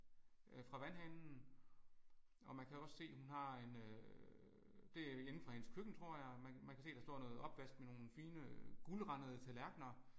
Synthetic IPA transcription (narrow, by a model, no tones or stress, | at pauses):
fʁɑ̈ʋænhænn̩ | ɒ̽mænkʰæɒ̽sse̝̰ːhunɦɑ̈e̝nø | d̥e̝jenn̩fʁɑ̈he̝nəskʰøɡ̥n̩t͡sʰʁo̝ɐ̰jɑ̈ɪmænmænkʰæse̝̰ːd̥ɑ̈sd̥ɔ̰ːnɔ̽ːð̩ˠɒ̽b̥ʋæsd̥meno̝ːn̩fiːnəɡ̥ulʁɑ̈nəðˠət͡sʰelæɐɡ̥nɐ